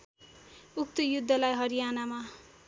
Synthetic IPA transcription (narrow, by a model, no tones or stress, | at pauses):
uk̚t̪ujud̪ʱːʌlajɦʌɾijanama